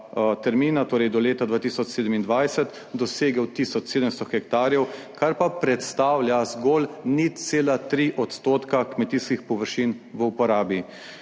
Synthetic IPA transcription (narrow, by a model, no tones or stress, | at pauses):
t̪ɛɾmiːnat̪oːɾɛjd̪ɔleːt̪ad̪ʋaːt̪isɔt͡ʃseːd̪əmind̪ʋajsət̪ | d̪ɔseːɡəwt̪isɔt͡ʃseːd̪əmst̪ɔxɛk̚t̪aːɾjɛw | kaɾpapɾɛt̪st̪aːwlʲjazɡoːlnit̪seːlat̪ɾiʔɔt̪st̪oːt̪kakmɛt̪iskixpɔʋəɾʃinʋəupɔɾaːbi